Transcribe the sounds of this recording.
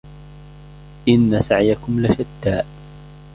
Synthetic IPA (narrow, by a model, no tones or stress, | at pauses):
ʔɪnːasaʕjakʊmlaʃad̪ːaːʔ